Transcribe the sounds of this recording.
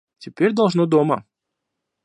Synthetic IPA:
tʲɪpʲeɾʲd̪ɐlˠʐnod̪omə

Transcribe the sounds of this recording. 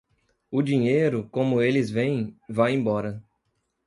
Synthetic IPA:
ʊd͡ʒĩɲejɾʊkõmʊelɪzvẽj̃vajẽbɔɾɐ

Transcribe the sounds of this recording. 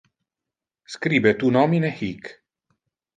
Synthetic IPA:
skɾiːbɛt̪unɔminɛxik

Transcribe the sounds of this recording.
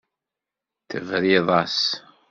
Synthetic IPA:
θəvɾiðˤɑs

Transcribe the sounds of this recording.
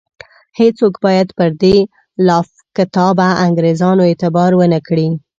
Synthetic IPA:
het͡sokbɑjad̪pəɾd̪e | lɑf | kɪt̪ɑbaʔaŋɡɾezɑnoet̪ɪbɑɾwənəkɽi

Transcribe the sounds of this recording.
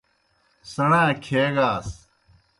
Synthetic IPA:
səɽãːkʰeːɡaːs

